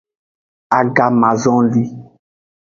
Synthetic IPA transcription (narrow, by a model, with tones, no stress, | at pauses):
a˨ɡa˨mã˨zɔ̃˦li˦